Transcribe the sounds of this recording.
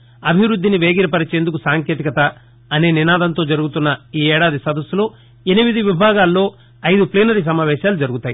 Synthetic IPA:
ɐbʱiʋɾud̪ʱːiniʋeːɡiɾɐpɐɾit͡ʃe̞ːnd̪ukusaːŋkje̞ːt̪ikɐt̪ɐ | ɐne̞ːninaːd̪ɐnt̪o̞ːd͡ʒɐɾuɡut̪unːɐiːɛːɽaːd̪isɐd̪ɐsulo̞ː | enimid̪iʋibʱaːɡaːlːo̞ː | ɐjd̪upliːnɐɾis̬ɐmaːʋɛːʃaːlud͡ʒɐɾuɡut̪aːji

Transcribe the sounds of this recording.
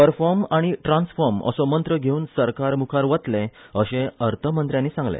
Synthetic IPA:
pəɾfɔɾmaɽ̃iʈɾãnsfɔɾmə̰sɔmənt̪ɾəɡʱeuːnsəɾkaɾmukʰaɾʋət̪lẽəɕẽəɾt̪ʰəmənt̪ɾjãnːiːsãŋɡlḛ

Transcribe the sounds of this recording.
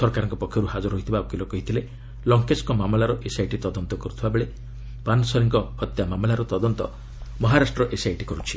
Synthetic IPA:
sɔɾkaɾɔŋkɔpɔkʰːjɔɾuhad͡ʒɔɾɦɔɦit̪ʰibakilɔkɔɦit̪ʰile | lɔŋkeskɔmamlaɾɔʔesajʈit̪ɔd̪ɔnt̪ɔkɔɾut̪ʰibabeɭe | panɔsɔɾiŋkɔːt̪jamamlaɾɔt̪ɔd̪ɔnt̪ɔ | mɔɦaɾasʈɾɔʔesajʈikɔɾut͡ʃʰi̥

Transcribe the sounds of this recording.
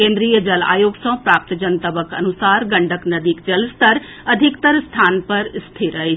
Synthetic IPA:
kẽːnd̪ɾijəd͡ʒɐla̰ːjoːɡsɔ̃ːpɾaːp̚t̪d͡ʒənt̪ɐbəkɐ̰nusaːɾɡɐ̃ɳɖʱəknɐd̪ikd͡ʒɐlst̪ɐɾ | ɐd̪ʱɪkt̪əɾst̪ʰaːnpɐɾɪst̪ʰiɾɐɦe

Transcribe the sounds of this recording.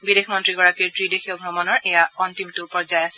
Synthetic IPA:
bidexmɔntɹiɡɔɹakiɹtɹidexʰiɔɡʱɹɔmɔnɔɹʔɛjaɔntimtʊpɔɹzajasɛ

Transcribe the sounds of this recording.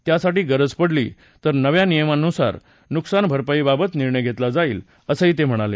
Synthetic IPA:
t̪jasaʈiːɡəɾəd͡zpəɽlḭː | t̪əɾnəʋjanijəmanːusa̰ɾ | nuksanbʱəɾpaiːbabət̪niɾɳəjɡʱet̪lad͡zaiːl | əsəɦiːt̪em̤əɽ̃ale

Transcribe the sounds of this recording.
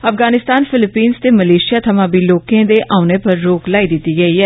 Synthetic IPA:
əfɡaːnɪst̪aːnfʰɪlɪpiːnst̪eːməleːʃɪjaːt̪ʰəmãːbiːloːkẽːd̪eːʔaːʊneːpəɾːoːklaːid̪ɪt̪ːiːɡəiːɦɛː

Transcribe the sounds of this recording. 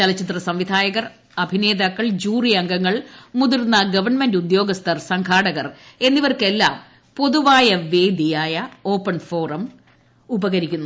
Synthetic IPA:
t͡ɕɐlɐt͡ɕːit̪rɐsɐmʋid̪ʱaːjɐɣɐr | ɐbʱine̞ːðakːɐɭd͡ʑuːrijɐŋɡɐŋːɐɭmuðirnːɐɡɐʋɐrɳme̞ndud̪jo̞ːɡɐst̪ʰɐrsɐŋkʰaːɽɐɣɐre̞nːiʋɐrke̞lːa̰ːm | po̞ðuʋaːjɐʋe̞ːd̪ʱijaːjɐo̞ːpːɐɳfo̞ːrɐm | ubɐɣɐɾikʲːunːu

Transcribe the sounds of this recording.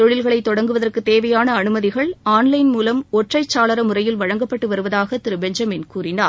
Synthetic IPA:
t̪ɔɻɪlɣɐɭɐɪt̪ːɔɽɐŋɡɯʋɐðɐrkɯt̪ːeːʋɐjaːnɐːnɯmɐðɪɣɐɭaːnlɐɪnmuːlɐmɔʈrɐɪt͡ʃːaːlɐɾɐmʊrɐjɪlʋɐɻɐŋɡɐpːɐʈːɯʋɐɾɯʋɐðaːɣɐt̪ɪɾɯbɛɲd͡ʒɐmɪnkuːrɪnaː

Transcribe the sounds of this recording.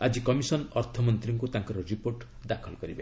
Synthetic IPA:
ad͡ʒikɔmisɔnɔɾt̪ʰɔmɔnt̪ɾiŋkut̪ãŋkɔɾɔɾipoɾʈ | d̪akʰɔlkɔɾibe

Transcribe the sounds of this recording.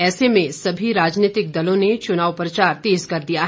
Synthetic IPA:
ɛːsemẽsɐbʱiɾaːd͡ʒniːt̪ɪk̚d̪ɐlõnet͡ʃʊnaːʋpɾɐt͡ʃaːɾt̪eːzkɐɾd̪ijaɦ

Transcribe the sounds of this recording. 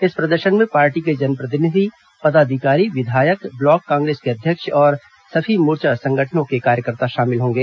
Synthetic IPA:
ɪspɾɐd̪əɾʃənmẽpaːɾʈiked͡ʒɐnpɾɐt̪̬ɪnɪd̪ʱi | pɐd̪aːd̪ʱɪkaːɾiʋɪd̪ʱaːjəkblɔːkːãːŋɡɾeːskeɐd̪ʱjəkʃɔːɾ | sɐfʰimuːɾt͡ʃasɐ̃ŋɡʱəʈʰənõkekaːɾjəkəɾt̪aʃaːmɪlɦõːŋɡeː

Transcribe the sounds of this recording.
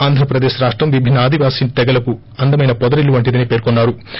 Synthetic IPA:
aːnd̪ʱɾɐpɾɐd̪eːʃɾaːʂʈɾɐmʋibʱinːɐaːd̪ʱiʋaːsiːnt̪ɛɡɐlɐku | ɐnd̪ɐmɐjnɐpɔd̪ɐɾiluʋɐɳʈid̪ɐnipe̞ːɾkonːaːɾu

